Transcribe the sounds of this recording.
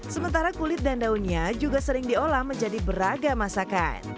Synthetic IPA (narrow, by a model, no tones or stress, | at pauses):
səmənt̪aɾakulɪt̪̚dandauniad͡ʒuɡasəɾɪŋdiolahməɲd͡ʒadibəɾaɡamasaka̰t̪̚